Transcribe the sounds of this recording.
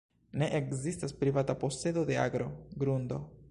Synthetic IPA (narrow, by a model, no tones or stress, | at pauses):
ne̞ʔekzistaspɾivatapo̞se̞d̪o̞d̪e̞a̰ɡɾo̞ɡɾund̪o̞̰